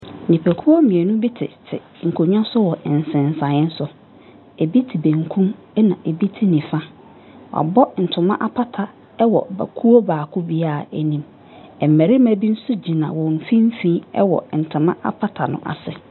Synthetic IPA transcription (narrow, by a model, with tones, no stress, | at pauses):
nĩ˨pʰæ˨kʰu˦ɔ˦mĩ˨e˨nʊ̃˦bi˦tʰɪ̰˨tʰɪ̰˨ | ŋ̩˨kʰo˨ɲᶣ˦ã˦sʊ˦wɔ˨ʔn̩˨sɪ̃˨n˨sã˨ɪ̃˦n̩˦sʊ˦ | e˨bi˦tʰi˨bẽ˨ŋkʰũ˦m | ɛ˦nã˨ʔe˨bi˦tʰɪ˦nĩ˨fã˦ | wa̰˨bɔ˦n̩˨tʰʊ̃˨mã̰˦ʔa˦pʰa˦tʰa˨ | ɛ˦wɔ̰˨ba̰˨kʰu˦o˦baː˨kʰʊ˦bi˦a˦˨æ˨nĩ˨m | ɛ˨m˨mæ˨ɾi˦mæ˨bi˦n̩˦sʊ˦d͡ʑi˨nã̰˨wɔ̃˨n˨fĩ˦m̩˦fĩ˦ɛ̰˦wɔ̰˨n̩˨tʰʊ̃˨mã̰˦ʔa̰˦pʰa˦tʰa˨nʊ̰̃˨ʔa̰˨sɛ˨